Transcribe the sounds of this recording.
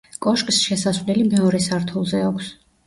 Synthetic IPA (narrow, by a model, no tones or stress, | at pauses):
kʼɔʃkʼsʃɛsasvlilimɛɔɾɛsaɾt̪ʰulˠzɛakʷʰs